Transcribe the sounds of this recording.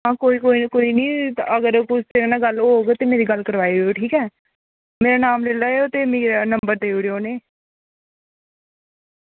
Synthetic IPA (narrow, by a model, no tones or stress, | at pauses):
ɦãːkoːiːkoːikoːiːnĩːəɡəɾkʊsenaːɡəlːoːɡt̪eːmeːɾiːɡəlkəɾʋaːiːoʈʰiːkɛː | meːɾaːnaːmleːaːeot̪eːmeːnəmbəɾd̪eːiːɽioːneː